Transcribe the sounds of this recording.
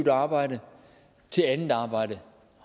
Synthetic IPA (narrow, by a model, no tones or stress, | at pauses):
ʊd̥ɑ̈ːb̥ɑ̈ɪ̰də | t͡sʰe̝lænð̩ˠɑ̈ːb̥ɑ̈ɪ̰ɾə | h